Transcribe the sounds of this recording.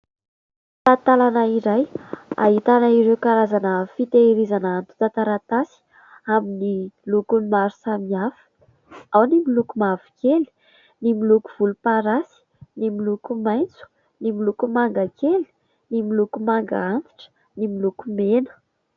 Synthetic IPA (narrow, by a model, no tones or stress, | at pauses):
t̪at̪alanəiɾaja̰ɦit̪anəiɾewkaɾazanəfit̪eɾizanaant̪u̥t̪at̪aɾat̪asi̥ | aminilukunimaɾu̥samiafə̥ | awnimilukumavi̥keli̥ | nimilukuv̥ulupaɾasi̥ | nimilukumajnt͡su̥ | nimilukumaŋɡakeli̥ | nimilukumaŋɡaant̪i̥ʈ͡ʂə̥ | nimilukumenə̥